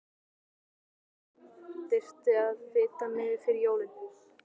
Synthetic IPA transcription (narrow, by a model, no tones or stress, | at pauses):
t̪ɪr̥t̪ɪaðvɪːt̪amɛːðɪfɪɾɪjoːwlɪn